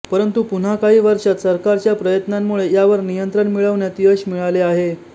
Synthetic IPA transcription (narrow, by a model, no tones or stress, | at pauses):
pəɾənt̪upun̤akaɦiːʋəɾʂat̪səɾkaɾt͡ɕjapɾəjət̪namːuɭejaʋəɾnijənt̪ɾəɳmiɭəʋɳjat̪iːəɕmiɭaleaɦe